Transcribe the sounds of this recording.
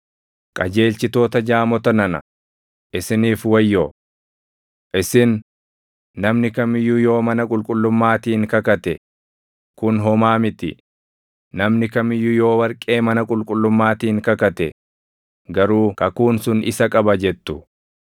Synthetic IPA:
kʼɐd͡ʒe̞ːlt͡ʃɪt̪o̞ːt̪ɐd͡ʒaːmɔt̪ɐnɐnɐ̰ | ʔɪsɪniːfwɐjːo | ʔɪsɪnː | ɐmnɪkɐmɪjːʊjo̞ːmɐnɐkʼʊlkʼʊlːʊmːaːt̪iːŋkɐkɐt̪ɛ | kʊnɦɔmaːmɪt̪ɪː | ɐmnɪkɐmɪjːʊjo̞ːwɐɾkʼe̞ːmɐnɐkʼʊlkʼʊlːʊmːaːt̪iːŋkɐkɐt̪ɛ | ɡɐɾuːkɐkuːnsʊnɪ̰sɐkʼɐbɐd͡ʒɛt̪ːʊ

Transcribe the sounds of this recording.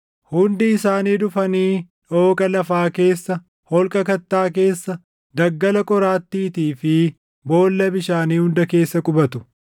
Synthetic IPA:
hʊnd̪ɪːɪsaːniːd̪ʊfɐniː | ᶑoːkʼɐlɐfaːke̞ːsːɐ | hɔlkʼɐkɐt̪ːaːk̬e̞ːsːɐ | d̪ɐɡːɐlɐkʼɔɾaːt̪ːiːt̪iːfɪ | bo̞ːlːɐbɪʃaːniːhʊnd̪ɐke̞ːsːɐkʼʊbɐt̪ʊ̥

